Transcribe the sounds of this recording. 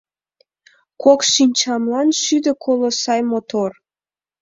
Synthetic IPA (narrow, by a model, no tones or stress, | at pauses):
kʰokʃinʲt͡ɕɑmlɑnʃyd̪əkʰolosɑjmot̪or